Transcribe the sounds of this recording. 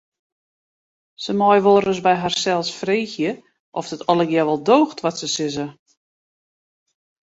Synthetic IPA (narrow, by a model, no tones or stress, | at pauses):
səmɔjʋoːɾəsbɛjɦarsɛlˠsfreːxjə | ʔɔfd̥ətɔlˠəɡjɛʋɔlˠdoːxtʋɔtsəsɪzə